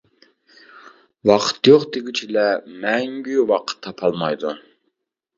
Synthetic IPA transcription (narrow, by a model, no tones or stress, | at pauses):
wɑqʰə̥t̪joqd̪ɪɡʲit͡ʃʰilɛmɛŋɡʲywɑqʰə̥t̪ʰːɑpʰɑlˠmɑjd̪u